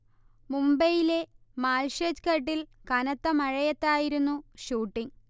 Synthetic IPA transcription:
mumbɐjile̞ | maːlɕɐd͡ʑkɐʈːilkɐnɐt̪ːɐmɐɻɐjɐt̪ːaːjiɾunːuɕuːʈːiŋ

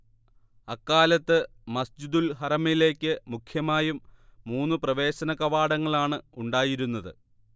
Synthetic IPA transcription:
ɐkːaːlɐt̪ːɨ | mɐsd͡ʑid̪ulɦɐrɐmile̞ːkʲːɨmukʰjɐmaːjumːuːnːɨprɐʋe̞ːɕɐnɐkɐʋaːɽɐŋːɐɭaːɳɨuɳɖaːjiɾunːɐðɨ̰

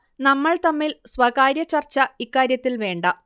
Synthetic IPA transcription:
nɐmːɐɭt̪ɐmːilswɐɣaːɾjɐt͡ɕɐrt͡ɕːɐikːaːɾjɐt̪ːilʋe̞ːɳɖɐ

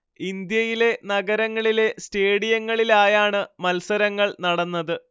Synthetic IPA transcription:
ind̪jɐjile̞nɐɡɐɾɐŋːɐɭile̞steːɽijɐŋːɐɭilaːjaːɳɨmɐlsɐɾɐŋːɐɭnɐɽɐnːɐðɨ

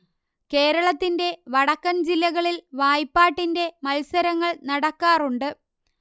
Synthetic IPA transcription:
ke̞ːɾɐɭɐt̪ːinde̞ʋɐɽɐkːɐnd͡ʑilːɐɣɐɭilʋaːjpːaːʈːinde̞mɐlsɐɾɐŋːɐɭnɐɽɐkːaːruɳɖɨ

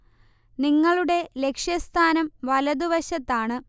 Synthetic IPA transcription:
niŋːɐɭuɽe̞le̞kʂjɐst̪ʰaːnɐmʋɐlɐd̪uʋɐɕɐt̪ːaːɳɨ

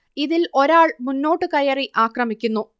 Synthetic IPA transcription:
iðilo̞ɾaːɭmunːo̞ːʈːɨkɐjɐriʔaːkrɐmikʲːunːu

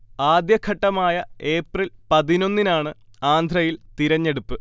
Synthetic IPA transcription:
aːd̪jɐkʰːɐʈːɐmaːjɐe̞ːprilpɐðino̞nːinaːɳɨ | aːnd̪ʱʰrɐjilt̪iɾɐɲːe̞ɽupːɨ

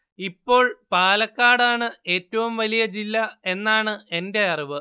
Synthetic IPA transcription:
ipːo̞ːɭpaːlɐkːaːɽaːɳɨe̞ːtːɐʋumʋɐlijɐd͡ʑilːɐe̞nːaːɳɨe̞nde̞ɐriʋɨ

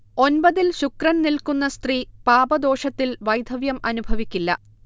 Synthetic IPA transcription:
o̞nbɐðilɕukrɐnnilkunːɐst̪ripaːbɐd̪o̞ːʂɐt̪ːilʋɐjd̪ʱɐʋjɐmɐnubʱɐʋikʲːilːɐ̰

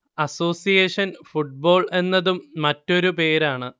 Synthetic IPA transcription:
ɐso̞ːsijeːʂɐnfuʈ̚bo̞ːɭe̞nːɐðumːɐtːo̞ɾupe̞ːɾaːɳɨ

